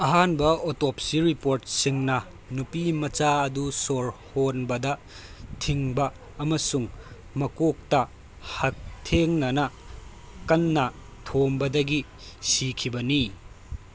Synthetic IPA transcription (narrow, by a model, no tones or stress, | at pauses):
ɐɦanbɐotopsiɾipoɾt̚siŋnɐ | nupimɐt͡ʃaɐdusoɾhonbɐdɐ | tʰiŋbɐː | mɐsuŋ | mɐkok̚tɐ | hɐk̚tʰeŋnɐnɐ | kɐnːɐ | tʰombɐdɐɡi | sikʰibɐni